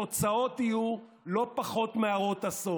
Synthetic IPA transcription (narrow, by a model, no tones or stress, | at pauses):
ot͡sao̞t̪iju | lo̞paχo̞t̪meaʁo̞t̪aso